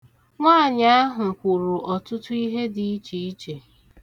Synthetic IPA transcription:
ŋʷaː˦˨ɲa˦a˦ɦʊ˨kʷu˨ɾu˨ʔɔ˨tʊ˦tʊ˦i˦ɦe˦di˨i˦t͡ʃi˨i˦t͡ʃe˨

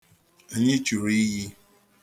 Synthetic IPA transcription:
e˦˨ɲɪ˦t͡ʃu˨ɾi˦ɦi˦

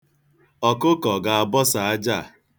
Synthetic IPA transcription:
ɔ˨kʊ˦kɔ˨ɡa˨a˨bɔ˦sa˨a˦d͡ʒa˦˨

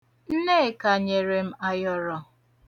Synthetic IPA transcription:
n̩˦ne˦˨ka˨ɲe˨ɾe˨m̩˦a˨jɔ˨ɾɔ˨

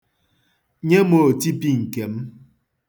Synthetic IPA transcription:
ɲe˦mo˨ti˦pi˦ŋ̩˨ke˨m̩˦

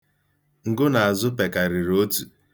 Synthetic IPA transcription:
ŋ̩˨ɡʊ˦na˨a˨zʊ˦pe˨ka˨ɾi˨ɾo˦tu˨

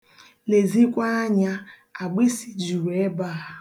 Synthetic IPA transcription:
le˨zi˦kʷa˦ɲa˦ | a˨ɡ͡be˦si˨d͡ʒi˨ɾe˦ba˦˨

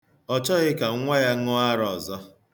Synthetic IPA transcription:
ɔ˦t͡ʃɔ˦ɣɪ˦ka˨˦ŋʷa˦ja˦ŋʊ˦a˦ɾɔ˨zɔ˦

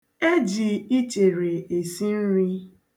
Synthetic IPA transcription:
e˦d͡ʒi˨i˦t͡ʃe˨ɾe˨e˨si˦n̩˦ɾi˦

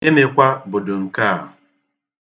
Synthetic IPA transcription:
ɪ˦ne˨kʷa˦bʊ˨dʊ˨ŋ̩˨ka˦˨ʊ˨

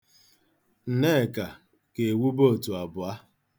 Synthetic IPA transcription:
n̩˨ne˦˨ka˨ | ke˨wu˦bo˦˨tu˨a˨bʊ˨a˦

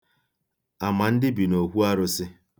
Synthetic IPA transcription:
a˨ma˨n̩˦dɪ˦bi˨no˨ɦʷu˦a˦ɾʊ˦sɪ˦

